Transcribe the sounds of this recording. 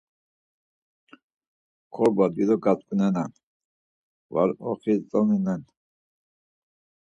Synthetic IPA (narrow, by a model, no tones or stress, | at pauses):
kʰɔɾbad̪wiɾɔɡat͡skʼunɛnan | va̰ɾɔ̰χit͡sʼɔninɛn